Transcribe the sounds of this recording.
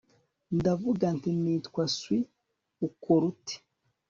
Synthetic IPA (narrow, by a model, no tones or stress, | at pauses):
ndavuɡantiniːtkwaswi | ukoɾuti̥